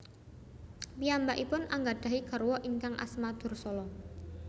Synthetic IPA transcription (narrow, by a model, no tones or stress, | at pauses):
wiambaʔipʊnʔaŋɡaɖ̥a̤ɦiɡ̥a̤rwɔʔiŋkaŋʔa̰smad̪̥ʊ̤rsɔlɔ